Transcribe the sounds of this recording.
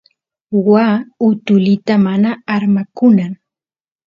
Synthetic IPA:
waːʊt̪ʊlɪt̪amanaːɾmakʊnaŋ

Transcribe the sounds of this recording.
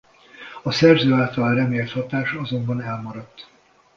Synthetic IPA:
ɒsɛrzøːaːlt̪ɒlrɛmeːlt̪hɒt̪aːʃɒzo̞mbɒnɛlmɒɾɒt̪ː

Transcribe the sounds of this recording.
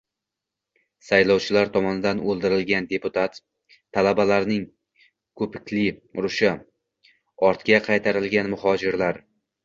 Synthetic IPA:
sajlɒwt͡ʃʰɪlaɾt̪ʰɒmɒnɪd̪anolˠd̪ɪɾɪlɡʲand̪e̞pʊt̪ʰat̪ʰː | alabalaɾnɪŋ | kʰɵpʰɪkʲlɪɾʊʃɪ | ɒɾt̪kʲaqʰɑjt̪ʰaɾɪlɡʲanmʊhɒd͡ʒɪɾlaɾ

